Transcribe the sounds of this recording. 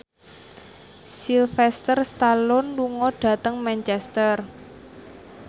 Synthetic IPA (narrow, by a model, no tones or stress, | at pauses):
silfɛst̪ərst̪alʊnluŋɔɖ̥a̤t̪əŋmɛnt͡ʃɛst̪ər